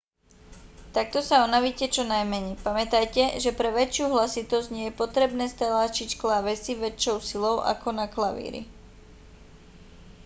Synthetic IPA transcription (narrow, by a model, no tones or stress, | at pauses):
t̪ak̚t̪ɔsaɔnaʋiːcɛt͡ʃɔnajmɛɲɛjpamɛt̪ajcɛʒɛpɾɛʋɛt͡ʃɪuːɦlasit̪ɔzɟɲɪɛjɛpɔt̪ɾɛbnɛːst̪alaːt͡ʃicklaʋɛsiʋɛt͡ʃɔʊsilɔʊʔa̰kɔnaklaʋḭːɾḭ